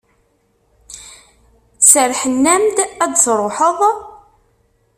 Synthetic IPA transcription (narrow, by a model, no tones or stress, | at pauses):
t͡sːəɾħənːæmd̪æd̪sɾˤoħəðˤ